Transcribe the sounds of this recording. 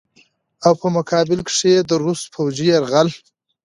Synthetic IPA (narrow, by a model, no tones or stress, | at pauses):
awpəmʊkʰɑbɪlkʂeed̪əɾuspʰowd͡ʒiaɾɣal